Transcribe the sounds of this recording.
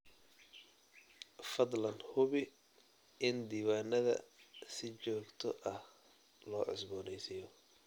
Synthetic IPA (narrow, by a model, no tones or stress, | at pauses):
fɐd̪lɐnhʊβɪ | ɪnd̪iːwaːnɐðɐ̰sɪt͡ʃɔːɡt̪ʰɔʔɐh | lɔːʕɪ̰sbɔːnɛjsɪjɔ